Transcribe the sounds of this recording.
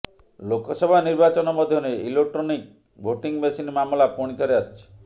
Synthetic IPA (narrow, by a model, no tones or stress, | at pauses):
lokɔsɔbʱaniɾbat͡ʃɔnɔmɔd̪ʱjɔneilek̚ʈɾɔnik̚ | bʱoʈiŋbesinmamlapɔɽ̃it̪ʰɔɾeast͡ʃʰi̥